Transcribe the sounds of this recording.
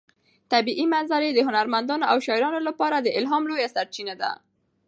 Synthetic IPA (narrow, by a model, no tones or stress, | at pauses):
t̪abiʔimanzaɾed̪əɦʊnaɾmand̪ɑnoʔawʃɑɪɾɑnolapɑɾad̪əʔɪlɦɑmlojasaɾt͡ʃinad̪a̰